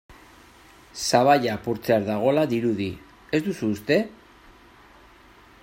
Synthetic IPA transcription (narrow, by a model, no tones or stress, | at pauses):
saβ̞ajapuɾt͡seaɾðaɣ̞o̞laðiɾuði | e̞zd̪usuːst̪e̞